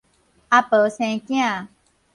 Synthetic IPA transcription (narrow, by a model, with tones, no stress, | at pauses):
a˧pə˨˧sẽ˧˨˦kĩ˦ã˨